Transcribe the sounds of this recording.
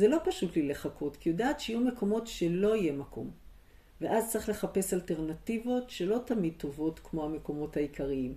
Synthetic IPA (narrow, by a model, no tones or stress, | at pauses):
zelopaʃutlileχako̞tkijodaːtʃejume̞ko̞mo̞tʃe̞lo̞ije̞mako̞̰m | ve̞ʔaztt͡sʁiχle̞χape̞salte̞ʁnativo̞tʃe̞lo̞tamid̚t̪o̞vo̞tkmo̞hame̞ko̞mo̞thaikʰaʁiim